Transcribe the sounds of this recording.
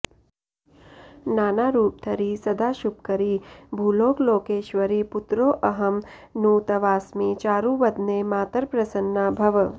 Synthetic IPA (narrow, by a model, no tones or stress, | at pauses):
naːnaːɾuːp̚t̪ʰɐɾiːsɐd̪ʱaːʃup̚kɐɾiːbʱuloːkloːkeːʃʋəɾiːpʊt̪ɾoːʔɐɦɐm | nũːt̪ɐʋaːsmiːt͡ʃaːɾũʋɐd̪neːmaːt̪əɾpɾɐsənːabʱɐʋ